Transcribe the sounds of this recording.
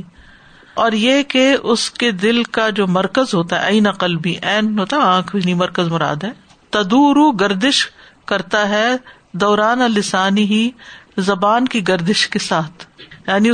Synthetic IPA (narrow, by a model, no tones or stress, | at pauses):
ɔːɾjekeʊsked̪ɪlkad͡ʒoːmɐɾkəzɦoːt̪aɦɛ̰ʔɐjnɐqəlbʱiʔɛːnɦoːt̪aɦɛãːkʰbʱinimɐɾkəzmʊɾa̰ːd̪ɦɛː | t̪ɐd̪uːɾuɡɐɾd̪ɪʃ | kɐɾt̪aɦɛ | d̪ɔːɾaːnalɪsaːniɦizɐbaːnkiɡɐɾd̪ɪʃkesaːt̪ʰjaːni